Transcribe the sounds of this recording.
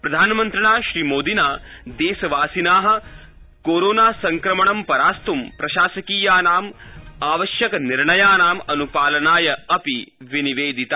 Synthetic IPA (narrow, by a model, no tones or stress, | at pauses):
pɾɐd̪ʱaːnɐmɐnt̪ɾɐɳaːʃɾiːmoːd̪ʱinaːd̪eːsɐʋaːsinaːɦɐ̆ | koːɾoːnaːsɐŋkɾɐmɐɳɐmpɐɾaːst̪umpɾɐʃaːsɐkiːjaːnaːmaːʋɐʃjɐkɐniɾɳɐjaːnaːmɐnupaːlɐnaːjɐɐpiʋiniʋeːd̪ʱit̪a